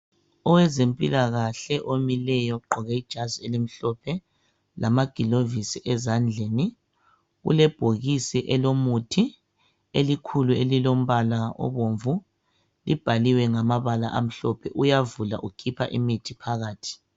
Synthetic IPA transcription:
ɔwɛzempʼilaɣaɬɛʔomilɛjɔɡ͡ǃʱɔɣɛid̥ʒ̥ʱazielim̩ɬɔpʰɛ | lamaɡ̥ʱilovisiʔɛzand͡ɮʱeni | ɣṵlɛb̥ʱoɣisiʔɛlomutʰi | elikʰuluelilom̩βalaɔ̰βoɱvu | lib̥ʱaliwɛŋamaβala̰ʔam̩ɬɔpʰɛʔujavula̰ʔukʰipʰa̰ʔimitʰipʰaɣaːtʰi̥

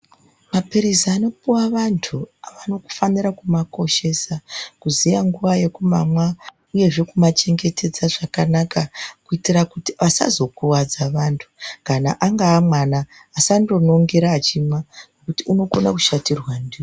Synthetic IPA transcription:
mapiɾizano̞puwaʋantʰuaʋano̞ku̥faniɾakumako̞ʃe̞sakuzijaŋɡuʋaje̞kumamwa | uje̞ʐe̞kumat͡ʃe̞ŋɡe̞te̞d͡zaʐakanakakuitirakutiʋasa̰zo̞kuwad͡zaʋantʰu̥kana̰ʔaŋɡaːmwanaː | sando̞no̞ŋɡe̞ɾaːt͡ʃimwanekutiuno̞ko̞naku̥ʃatirwandiːri

